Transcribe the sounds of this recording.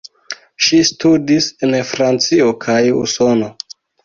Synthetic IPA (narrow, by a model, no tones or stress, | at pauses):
ʃistudisenfɾant͡sio̞kʰajṵso̞no̞